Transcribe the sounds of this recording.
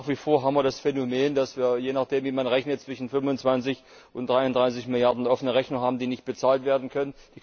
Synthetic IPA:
χv̥iːfoːɐɦaːbmviɐdasfɛnomeːndasv̥iːɐjeːnaːχd̥eːmviːmanʁɛçnət̚t͡sv̥ɪʃn̩fʏmʊnt͡sv̥ant͡sɪç | ʔʊntd̥ʁaɪʊndʁaɪs̬ɪçmɪljaɐdn̩ʔɔfənəʁɛçnʊŋɦaːbm̩diːnɪçt̚b̥ət͡saːltv̥eːɐdn̩kʰœnənd̥iː

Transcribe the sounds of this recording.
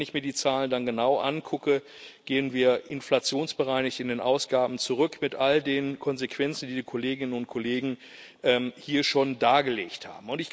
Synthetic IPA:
nɪçmiːɐdiːt͡saːləndanɡənaʊʔa̰nkʰʊkə | ɡ̥eːənviːɐʔɪnflat͡sjoːnsb̥əʁaɪnɪçtɪndeːnʔa̰ʊsɡ̥aːbm̩t͡suʁʏkmɪtʔaldeːnkʰɔnzekʰv̥ɛnt͡sn̩diːdiːkʰoleːɡɪnənʊnt̚kʰoleːɡŋ̩ | ʔɛːmhiːɐʃoːndaːɡəlḛːçtha̰ːbm̩ʊntɪç

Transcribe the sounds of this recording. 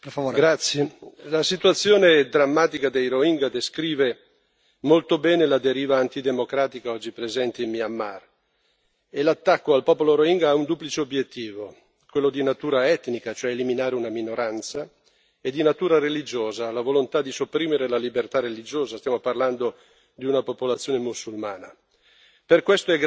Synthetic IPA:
pefaoɡɾat̪sːjelasit̪wat̪sːjoːned̪ɾamːaːt̪ikad̪ejɾoiŋɡad̪eskɾiːve | molt̪obɛːnelad̪eɾiːvaːnt̪id̪emokɾaːt̪ikaɔd͡ʒːipɾezɛnt̪eimmiamːar | elat̪ːakːoalpɔːpoloɾoiŋɡaaund̪uːplit͡ʃeobjet̪ːiːvo | kwelːod̪inat̪uːɾaɛt̪nikat͡ʃoɛeliminaːɾeunaminoɾant̪sa | ed̪ːinat̪uːɾaɾelid͡ʒoːzaːlavolont̪ad̪isopːɾiːmeɾelalibert̪arːelid͡ʒoːzast̪jamoparland̪o | d̪iunapopolat̪sjoːnemusulmaːna | perkwest̪oɛɡ

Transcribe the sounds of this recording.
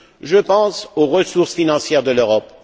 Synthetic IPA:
ʒəpɑ̃soʁəsuʁsfinɑ̃sjɛʁd̪əløʁɔp̚

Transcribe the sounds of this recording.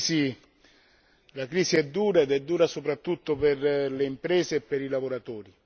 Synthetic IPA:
i | lakɾiːsiɛd̪ːuːɾaed̪ɛd̪ːuːɾasopɾat̪ːut̪ːoperleimpɾɛːseːpːeɾilavoɾat̪ɔːɾi

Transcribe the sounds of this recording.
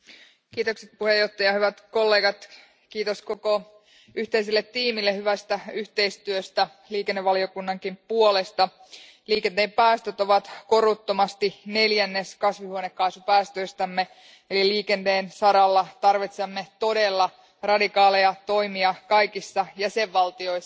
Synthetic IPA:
kiːt̪okset̪̚puhe̞jo̞ht̪ːˑɑjɑhyʋæt̪kolːe̞ːɡɑt̪ | kiːt̪osko̞ko | yht̪e̞is̬ilːet̪ːiːmilːehyʋæst̪æyht̪e̞ist̪yøst̪æ | liːkenːeʋɑlio̞kunːɑŋkimpuole̞st̪ɑ | liːkent̪eːmpæːst̪øt̪o̞ʋɑt̪ko̞rut̪ːomɑst̪ine̞ljænːeskɑsʋihuonekːɑisupæːst̪øist̪æmːe | eliliːkent̪eːnsɑɾɑlːɑt̪ɑrʋit̪semːet̪o̞delːɑ | rɑdikɑːlejɑt̪o̞imiɑkɑikisːɑjæseʋːɑlt̪io̞is

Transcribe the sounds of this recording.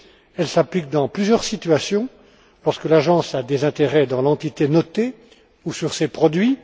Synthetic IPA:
ɛlsaplik̚d̪ɑ̃plyzjœʁsit̪ɥasjɔ̃ | lɔʁskəlaʒɑ̃sad̪ezɛ̃t̪eʁɛd̪ɑ̃lɑ̃t̪it̪enɔt̪e | usyʁsepχɔd̪ɥi

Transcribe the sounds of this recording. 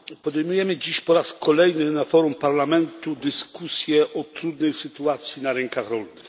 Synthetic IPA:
pɔd̪ɛjmujɛmɘd͡ʑiɕpɔɾaskʰɔlɛjnɘnafɔɾumpaɾlamɛnt̪ud̪ɘskusʲjɛʔɔt̪ɾud̪nɛjsɘt̪uat̪sʲjinaɾɛŋkaxɾɔlnɘx

